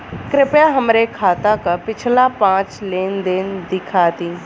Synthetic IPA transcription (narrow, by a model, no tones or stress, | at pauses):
kɾɪpjaɦəmɾekʰaːt̪akapɪt͡ʃʰlapãːt͡ʃleːnd̪eːnd̪ɪkʰaːt̪iː